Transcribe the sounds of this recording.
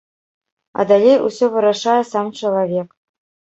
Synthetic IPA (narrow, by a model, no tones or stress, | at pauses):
ɑ̰d̪ɑlʲejṵsʲoʋɯ̆ɾɑʂɑjə̆sɑmt͡ɕɤ̆lˠavʲek